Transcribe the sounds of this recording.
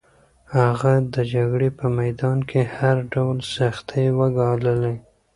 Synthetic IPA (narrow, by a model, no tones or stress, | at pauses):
haɣad̪əd͡ʒaɡɽepəmajd̪ɑnkʰehaɾɖawlsaxt̪ʰejwəɡɑləla